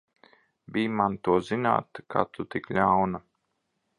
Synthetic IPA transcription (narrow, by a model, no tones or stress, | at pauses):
bʲijmant̪uɔzina̰ːt̪kʰa̰ːt̪ut̪iklʲawna